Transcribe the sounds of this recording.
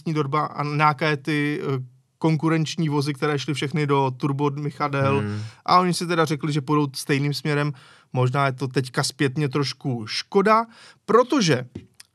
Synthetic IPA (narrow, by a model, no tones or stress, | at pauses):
ɲiːdo̞ɾbaʔa̰naakajɛt̪ɪ | ko̞ŋk̬uɾɛnt͡ʃɲiːvo̞zɪkt̪ɛɾɛːʃlɪfʃɛxnɪdo̞t̪uɾbodmɪxadɛlʔa̰ʔo̞ɲɪsɪt̪ɛdarɛklɪʒɛpudo̞wt̪st̪ɛjniːmsmɲɛɾɛmː | o̞ʒnaːjɛt̪o̞t̪ɛckaspjɛt̪ɲɛt̪ɾo̞ʃkuʃko̞dapɾo̞t̪o̞ʒɛ